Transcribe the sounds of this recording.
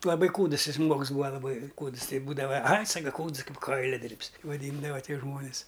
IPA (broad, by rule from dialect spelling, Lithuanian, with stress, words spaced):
lˠɐˈbɐɪ ˈkuːdəs ˈjɪs ˈʒmuɔks ˈbuːʋɐ lˠɐˈbɐɪ ˈkuːts ˈtɐɪ ˈbuːdɐʋɐ ɐɪ ˈsɑːkɐ ˈkuːts ˈkɐɪp ˈkɐɪlʲɛdʲɪrʲpʲs ʋɐˈdʲiːndɐʋɐ ˈtʲiɛ ˈʒmoːnʲɪs